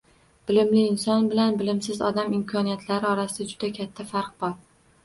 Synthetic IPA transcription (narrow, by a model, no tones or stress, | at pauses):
b̥ɪlɪmlɪːnsɒnbɪlanbɪlɪmsɪzɒ̰d̪amɪmkʰɒnijat̪ʰlaɾɪɒɾasɪd̪ad͡ʒʊd̪akʲʰat̪ʰːafaɾq̚bɒɾ